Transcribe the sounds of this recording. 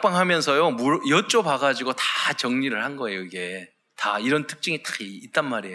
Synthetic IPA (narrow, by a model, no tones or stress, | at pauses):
kp͈aŋɦamjʌnsʰʌjomuɾjʌt͡ɕ͈opaɡad͡ʑiɡotat͡ɕʌŋɲiɾɯɭhanɡʌe̞joiɡe̞ | taiɾʌntʰɯ̥k̚t͡ɕ͈ɯŋit͈ḁkʰːt̚t͈anmaɾieo